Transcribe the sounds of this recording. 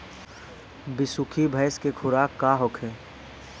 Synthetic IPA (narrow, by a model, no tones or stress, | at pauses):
bɪsʊkʰibʱɐɪskekʰʊɾaːkːaɦokʰeː